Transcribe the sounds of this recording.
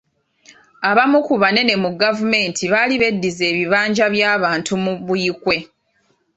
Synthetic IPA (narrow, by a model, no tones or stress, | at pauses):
aβamukuβane̞ne̞muɡavume̞ːntʰiβaliβe̞dːize̞ːβiβaːɲɟaβjaːβaːntʰumuβujikwe̞